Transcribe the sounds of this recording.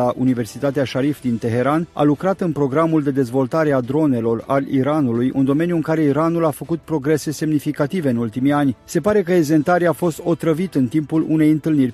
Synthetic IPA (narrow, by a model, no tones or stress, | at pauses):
aʔṵnive̞rsit̪at̪eaʃaɾifd̪int̪e̞ɦe̞ɾana̰lukɾat̪ɨnpɾo̞ɡɾamuld̪e̞d̪e̞zvo̞lt̪aɾe̞ad̪ɾo̞ne̞lo̞ra̰lḭɾanulujʔɨ̰nd̪o̞me̞njuɨŋkaɾe̞iɾanulafəkut̪̚pɾo̞ɡɾe̞se̞se̞mnifikat̪ive̞ɨnult̪imianʲse̞paɾe̞kəeze̞nt̪aɾeafo̞st̪o̞t̪ɾəvit̪ɨnt̪impulune̞jɨnt̪ɨlnirʲ